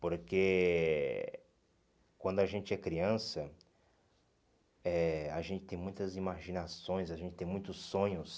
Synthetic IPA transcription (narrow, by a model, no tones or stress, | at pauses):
poɾke | kwɐ̃nd̪ʊaʒẽnt͡ʃɪɛkɾiɐ̃sɐ | ɛaʒẽnt͡ʃɪ̥t̪ẽj̃mũj̃t̪ɐzimaʒinasõj̃saʒẽnt͡ʃɪ̥t̪ẽj̃mũj̃t̪ʊsːõɲʊs